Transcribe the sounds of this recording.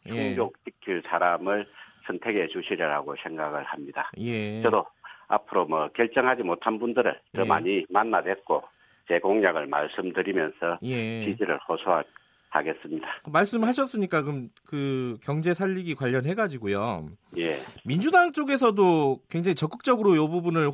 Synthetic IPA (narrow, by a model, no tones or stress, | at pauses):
t͡ɕjʰuŋbjok̚t͡ɕʰikʰjuɭsʰaɾamɯɭsʰʌntʰe̞ɡe̞t͡ɕuɕʰiɾʌɾaɡosʰe̞ŋɡaɡɯɭhamɲida̰je̞t͡ɕʌdoa̰pʰɯɾomʌkjʌɭt͡ɕ͈ʌŋɦad͡ʑimotʰanbundɯɾɯ̰ɭtɯma̰ɲimanːadwe̞t̚k͈o | t͡ɕe̞ɡoŋɲaɡɯɭma̰ɭs͈ɯmdɯɾimjʌnsʰʌje̞t͡ɕid͡ʑiɾɯ̰ɭhosʰoa | kaɡe̞s͈ɯmɲidamaɭs͈ɯmɭɦaɕ̬ʰʌs͈ɯɲik͈akɯmkɯkjʌŋd͡ʑe̞sʰaʎːiɡikwaʎːʌnɦe̞ɡad͡ʑiɡojoje̞mind͡ʑudaŋt͡ɕ͈oɡe̞s̬ʰʌdokwe̞ŋd͡ʑaŋit͡ɕʌk͈ɯk̚t͡ɕ͈ʌɡɯɾojobubunɯɭ